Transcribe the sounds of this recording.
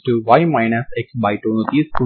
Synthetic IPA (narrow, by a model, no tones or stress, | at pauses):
ʈuʋaɪmaɪnaseksbaɪʈoːnot̪iːsku